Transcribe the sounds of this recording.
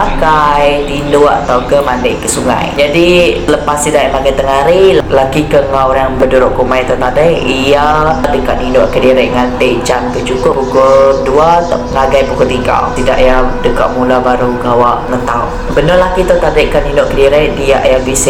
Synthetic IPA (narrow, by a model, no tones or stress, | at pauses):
akajdinʊʔa̰t̪awkəmandɪʔkəsuŋa̰jd͡ʒadiləpast̪id̪ajʔmaɡajt̪əŋaɾilakikəŋawjaŋbəduɾoʔkumajt̪awt̪adəiadəka̰ʔ̪̚ninʊʔkədiɾəjʔŋant̪əʔd͡ʒankət͡ʃukʊpukʊduat̪aʔəŋaɡajpukʊt̪iɡa̰wt̪ida̰ʔijadəka̰ʔ̪̚mulabaɾuɡawaʔŋət̪aw | bənolakit̪at̪adəʔkaninʊʔkədiɾadija̰ʔjabis